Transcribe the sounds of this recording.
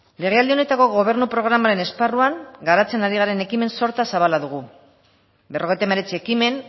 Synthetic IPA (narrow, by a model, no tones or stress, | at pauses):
le̞ɣ̞e̞ald̪ione̞t̪ako̞ɣo̞β̞e̞ɾnupɾo̞ɣ̞ɾamaɾe̞ne̞sparuaŋɡaɾat͡se̞naɾiɣ̞aɾe̞ne̞kime̞nso̞ɾt̪asaβalaðuɣ̞u | be̞ro̞ɣ̞et̪eme̞ɾe̞t͡sie̞kime̞n